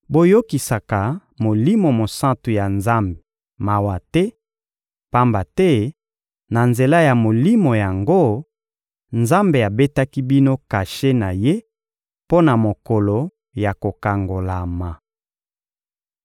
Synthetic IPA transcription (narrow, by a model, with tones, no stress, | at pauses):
bo˦jo˦ki˨sa˨ka˨mo˨li˦mo˨mo˨sã˦ntu˨ja˨nza˦mbe˨ | ma˨wa˨tɛ˦ | pa˦mba˨tɛ˦ | na˨nze˨la˦ja˨mo˨li˦mo˨ja˨ŋɡo˦ | nza˦mbe˨a˨be˦ta˦ki˦bi˦no˦ka˨ʃe˦na˨je˦ | po˦na˨mo˨ko˨lo˨ | ja˨ko˨ka˨ŋɡo˨la˨ma˨